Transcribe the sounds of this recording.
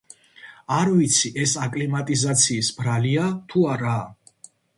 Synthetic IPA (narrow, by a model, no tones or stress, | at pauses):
aɾvit̪sʰiʔɛsakʼlimat̪ʼizat̪sʰiːsbɾaliat̪ʰuaɾa